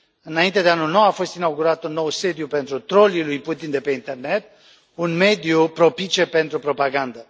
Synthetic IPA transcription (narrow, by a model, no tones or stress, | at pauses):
ɨnaint̪e̞d̪e̞anulno̞wafo̞st̪inawɡuɾat̪unːo̞wse̞d̪jupe̞nt̪ɾut̪ɾo̞lilujput̪ind̪e̞pe̞int̪e̞rne̞t̪̚ | unme̞d̪ijupɾo̞pit͡ʃe̞pe̞nt̪ɾupɾo̞paɡand̪ə